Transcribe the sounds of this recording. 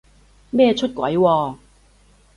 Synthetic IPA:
mɛː˥˧t͡ʃʰɵ˥t̚kwɐ̰˨˥jwɔː˧

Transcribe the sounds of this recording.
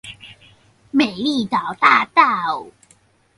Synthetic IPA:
me˨˩ɪli˥˧t̪ɑ˨˩wt̪a˥˧t̪a˥˧˩w

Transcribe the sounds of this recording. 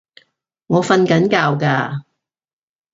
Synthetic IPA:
ŋɔː˨˧fɐ˧nkɐ˨˥nkaː˧wkaː˧

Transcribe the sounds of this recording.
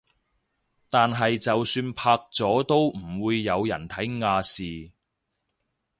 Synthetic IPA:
t̪aː˨nɦɐ˨jt͡sɐ˨wsyː˧npʰaː˧k̚t͡sɔː˨˥t̪o˥wm̩˨˩wuː˨˧jːɐ˨˧wjɐ̰˨˩nt̪ʰɐ˨˥jŋaː˧siː˨

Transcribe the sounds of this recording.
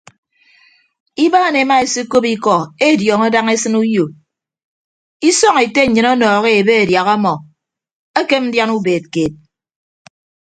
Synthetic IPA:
i˦baː˦˨ne˨˦ma˦e˨si˦ko˦pi˦kɔ˨e˦˨djɔː˨ŋɔ˦da˦ŋe˦sɨ˦nu˦jo˨ | i˦sɔ˦ŋe˨te˦˨ɲɨ˨nɔ˦nɔː˨ɣe˦e˨be˦e˨dja˨ɣɔ˦mɔ˨ | e˦ke˦n̩˦dja˦nu˦beː˨t̚ke˨t̚

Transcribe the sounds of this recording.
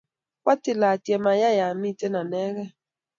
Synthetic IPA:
kʷa˦tɪ˦˨la˨tɛ˨ma˨ja˦ja˨mi˦˨te˦na˨nɛ˦ɣɛ˦

